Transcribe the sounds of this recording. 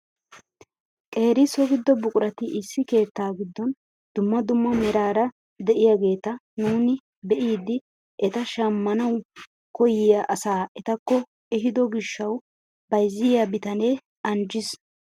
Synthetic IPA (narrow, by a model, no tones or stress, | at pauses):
kʼe̞ːɾɪsɔɡɪd̪ːɔbʊkʼʊɾɐt̪ɪʔɪsːɪke̞ːt̪ːaːɡɪd̪ːɔn | d̪ʊmːɐd̪ʊmːɐmɛɾaːɾɐ | d̪ɛʔɪjaɡe̞ːt̪ɐnuːnɪ | bɛʔiːd̪ɪ | ʔɛt̪ɐʃɐmːɐnɐw | kɔjɪjaʔɐsaːʔɛt̪ɐkːɔ | ɛɦɪd̪ɔɡɪʃːɐw | b̥ɐjzːɪjabɪt̪ɐne | ʔɐnd͡ʒɪs